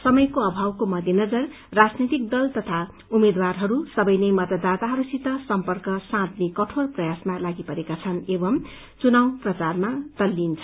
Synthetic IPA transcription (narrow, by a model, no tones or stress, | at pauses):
sʌmʌjkoʌbʱawkomʌd̪ʱjenʌd͡zʌr | rad͡znit̪ik̚d̪ʌlt̪ʌt̪ʰa | umed̪warɦʌɾusʌbʌjnʌjmʌt̪ʌd̪at̪aɦʌɾusit̪ʌsʌmpʌrkʌsãt̪nikʌʈʰorprʌjasmalaɡipʌɾekat͡sʰʌnebʌm | t͡sunaw̃prʌt͡sarmat̪ʌlːint͡sʰ